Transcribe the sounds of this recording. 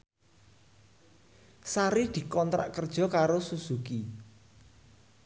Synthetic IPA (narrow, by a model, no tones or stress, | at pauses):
saɾid̪̥i̤kɔnt̪ɾa̰ʔkərd̥ʒ̥ɔ̤kaɾosusuki